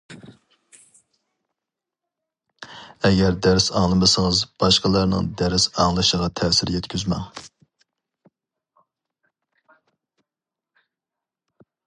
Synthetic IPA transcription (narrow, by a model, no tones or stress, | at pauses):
ɛɡʲɛɾd̪æɾsɑŋlˠɨmɨsəŋɨzb̥ɑʃqɑlˠɑɾnɨ̰ŋd̪æɾsɑŋlˠɨʃəʁɑt̪ʰɛːsɪɾjɛt̪kʲʰyzmɛ̰ŋ